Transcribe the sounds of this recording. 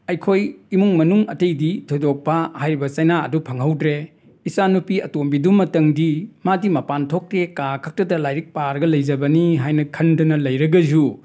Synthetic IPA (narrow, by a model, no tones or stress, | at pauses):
ɐjkʰojimuŋmɐnuŋɐtɐjditʰojdok̚pɐhajɾibɐsɐjnaɐ̰dupʰɐŋɦɐwdɾe | isanupiɐtombidumːɐtɐŋdimadimɐpantʰok̚tekakʰɐk̚tɐdɐlajɾik̚paɾɡɐlɐjd͡ʒɐbɐniɦajnɐkʰɐndɐnɐlɐjɾɐɡɐzu